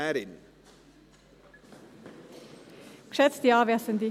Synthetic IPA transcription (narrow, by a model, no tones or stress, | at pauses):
æɾɪn | kʂɛt̪st̪iːɑːʋeːsənd̪ɪ